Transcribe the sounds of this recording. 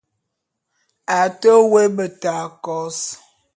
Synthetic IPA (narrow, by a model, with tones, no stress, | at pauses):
a˨tə˦we˦bə˨ta˨kɔ˨˦s